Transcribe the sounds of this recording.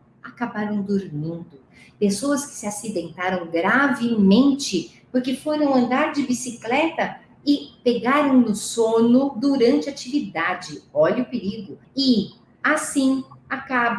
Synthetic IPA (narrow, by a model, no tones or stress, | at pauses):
akabaɾɐ̃w̃d̪oɾmĩnd̪ʊ | pesoɐskɪ̥sɪasid̪ẽnt̪aɾɐ̃w̃ɡɾavɪmẽnt͡ʃɪ | poɾkefoɾɐ̃w̃ɐ̃nd̪aɾd͡ʒɪbisiklɛt̪ɐ | ɪpeɡaɾɐ̃w̃nʊsonʊd̪uɾɐ̃nt͡ʃɪat͡ʃivid̪ad͡ʒɪɔʎɐʊpeɾid̪ʊ | ɪ | asĩakab